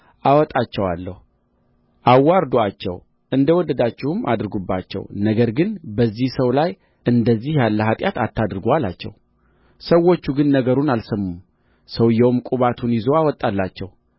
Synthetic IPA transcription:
ʔawɔt̪ʼat͡ʃːɛwa̰lːəhu | ʔawːaɾd̪oat͡ʃːɛ̰w | ʔɨnd̪əwɔd̪əd̪at͡ʃːɪhumʔad̪ɾɨɡubːat͡ʃːɛ̰wnəɡəɾɡɨnbəzːihsəwlaj | ʔɨnd̪əzːihjalːəɦat̪ʼjat̪at̪ʰːad̪ɾɨɡalat͡ʃːɛ̰w | səwo̞t͡ʃːuɡɨnːəɡəɾunalsəmːum | səwjːɛwmkʼuβat̪ʰunjɪzoawɔt̪ʼːalːat͡ʃːɛw

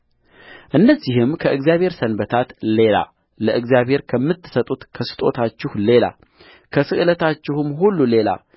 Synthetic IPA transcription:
ʔɨnːəzːihɨmkʰəʔɨɡzijaβhe̞ɾsənbət̪ʰat̪le̞la̰ | ləʔɨɡzijaβhe̞ɾkʰəmːɨt̪ʰːɨ̥sət̪ʼut̪kʰəsɨ̥t̪ʼo̞t̪ʰat͡ʃːɪhle̞la̰ | kʰəsɨʔɨlət̪at͡ʃːɪhɨmɦulːule̞la̰

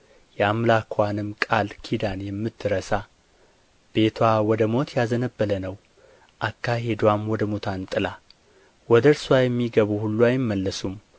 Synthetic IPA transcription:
jɛamlakʰwanɨmkʼalkʰid̪anjɛmːɨt̪ʰːɨɾəsa | b̥e̞t̪ʰwawɔd̪əmo̞t̪jazənəbːələnəw | ʔakːaɦe̞d̪wamwɔd̪əmot̪ʰant̪ʼɨla | wɔd̪əɾswajɛmːiɡəβuhulːuajɪmːəlːəsum

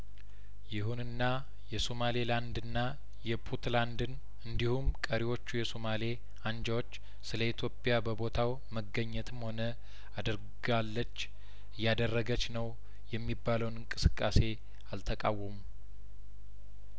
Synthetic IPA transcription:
jɪhunɨnːa | jɛsomaleland̪ɨnːa | jɛpʰut̪land̪ɨn | ɨnd̪ihumkʼəɾiwo̞t͡ʃːujɛsomale | and͡ʒawo̞t͡ʃː | sɨləit̪ʰjo̞pʼjabəbo̞t̪ʰaw | məɡːəɲːɛt̪ʰɨmho̞nə | ad̪əɾ | ɡalːət͡ʃː | ɨjːad̪ərːəɡət͡ʃːnəw | jɛmːibːaləwnɨŋkʼɨsɨkʼːase̞ | alt̪ʰəkʼawːəmu

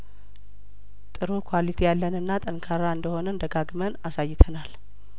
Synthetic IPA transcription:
t̪ʼɨɾukʰwalit̪ʰejalːənɨnːat̪ʼəŋkʰaɾaɨnd̪əho̞nənd̪əɡaɡmənasajːɪt̪ʰənal

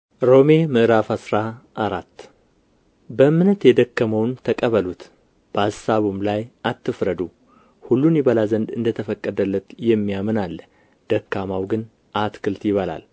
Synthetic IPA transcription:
ɾo̞me̞mɨʔɾafasɾaʔːɾat̪ː | bəɨmːɨnət̪jɛd̪əkːəməwnt̪ʰəkʼəβəlut̪ | b̥əassaβumlajʔat̪ːɨfɾəd̪u | hulːunjɪβəlazənd̪ɨnd̪ət̪ʰəfəkʼːəd̪əlːət̪jɛmːijamɨnalː | d̪̥əkːamawɡɨn | ʔat̪kʰɨlt̪jɪβəla̰l

